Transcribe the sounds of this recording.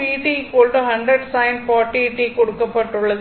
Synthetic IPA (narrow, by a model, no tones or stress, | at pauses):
iːʈikːoːlʈɯɦɐɳɖɾɐɖsaɪnfaːʈːiʈːikɔɽɯkːɐpːɐʈːɯɭːɐð